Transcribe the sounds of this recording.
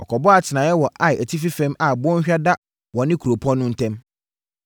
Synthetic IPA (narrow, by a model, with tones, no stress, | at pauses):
ɔ˨kʰɔ˨bɔ˦a˨tʰɪ˨nã˨jɛ˦wɔ˨ʔa˦ɪ˨æ˨tʰi˦fi˦fɛ̃˦ma˨bɔ˦ɲ̩˦ɕᶣa˦da˦ | wɔ̃˨nɪ̃˦kʰo˨pʰɔ˦nːʊ̃˦n̩˦tʰɛ̃˦m